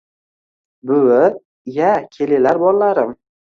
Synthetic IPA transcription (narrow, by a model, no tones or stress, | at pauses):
bʊwɪ | jakʲʰelɪlaɾbɒllaɾɪm